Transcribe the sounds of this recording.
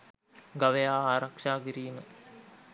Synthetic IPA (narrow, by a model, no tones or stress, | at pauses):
ɡaʋejaːaːɾɐkʂaːɡiɾiːnə